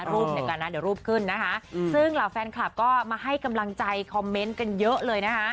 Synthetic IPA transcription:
ɾuː˥˩niː˨˩ka˧nːa˦˥di˨˩˦ɾuː˥˩p̚kʰɯ˥˩nːa˦˥kʰa˦˥ʔsɯ˥˩ŋlaː˨˩wfɛː˧nkʰla˨˩p̚kɔː˥˩maː˧ɦa˥˩jka˧mla˧ŋt͡ɕa˧jkʰɔ˧mːe˦˥nka˧njɤ˦˥ʔlɤː˧jna˦˥kʰa˦˥ʔ

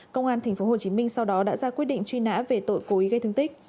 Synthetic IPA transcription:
kə˧wŋ͡mʔaː˧nt̪ʰɛ˨˩jŋ̟fo˨˦ɦo˨˩t͡ɕi˨˦mi˧ŋ̟sa˧wɗɔ˨˦ɗa̰ː˧˥zaː˧kwi˦˥ət̚ɗḭ˧˨ŋ̟t͡ɕwi˧na̰ː˧˥ve˨˩t̪o̰˧˨jko˨˦i˨˦ɣə˧t̪ɨ˧ə˧ŋt̪i˦˥k̟̚

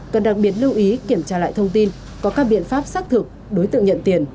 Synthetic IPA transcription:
kə˨˩nɗa˨˩k̚ɓi˨˩ət̚lu˧wʔi˨˦ki˧˩əmt͡ɕaː˧la̰ː˧˨jt̪ʰə˧wŋ͡mt̪i˧n | kɔ˨˦kaː˦˥k̚ɓḭ˧˨ənfaː˦˥p̚saː˦˥k̚t̪ʰɨ˨˩ə˩k̚ | ɗo˨˦jt̪ɨ̰˧˨ŋɲə̰˧˨nt̪i˨˩ən

